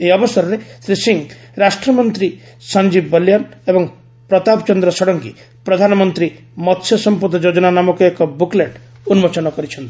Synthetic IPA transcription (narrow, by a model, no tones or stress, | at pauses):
eɔbɔsɔɾɔɾesɾisiŋ | ɾasʈɾɔmɔnt̪ɾi | sand͡ʒibːɔljanebɔŋ | pɾɔt̪apɔt͡ʃɔnd̪ɾɔsɔɽɔŋkḭ | pɾɔd̪ʱanɔmɔnt̪ɾi | mɔt̪sʰjɔsɔmpɔd̪ʱɔd͡ʒod͡ʒɔnanamɔkuekɔbukleʈ | unmot͡ʃɔnɔkɔɾit͡ʃʰɔnt̪i̥